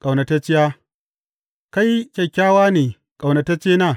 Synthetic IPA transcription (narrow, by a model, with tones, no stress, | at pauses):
kʼa˨wnɐ˨ta˦t͡ʃɪ˦jaː˦ | ka˦jkʲɐ˨kʲːaː˦waː˦neː˨ | kʼa˨wnɐ˨ta˦t͡ʃeː˦naː˦˨